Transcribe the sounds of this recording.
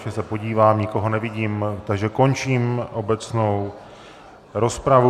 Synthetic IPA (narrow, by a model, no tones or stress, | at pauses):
ʒɛsɛpo̞ɟiːvaːmɲɪko̞ɦo̞nɛvɪɟiːmt̪aɡʒɛko̞nt͡ʃiːmʔo̞bɛt͡sno̞w | ɾo̞spɾavu